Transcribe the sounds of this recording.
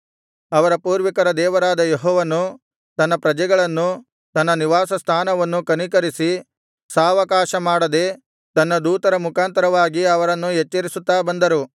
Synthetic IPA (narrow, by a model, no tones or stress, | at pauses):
ɐʋɐɾɐpuːɾʋikɐɾɐd̪ɛːʋɐɾaːd̪ɐjeɦɔːʋɐnːu | t̪ɐnːɐpɾɐd͡ʒɛɡɐɭɐnːu | t̪ɐnːɐniʋaːsɐst̪ʰaːnɐʋɐnːukɐnikɐɾisi | saːʋɐkaːʃɐmaːɽɐd̪e̞ː | t̪ɐnːɐd̪uːt̪ɐɾɐmukʰaːnt̪ɐɾɐʋaːɡiɐʋɐɾɐnːujet͡ʃːɐɾisut̪ːaːbɐnd̪ɐɾu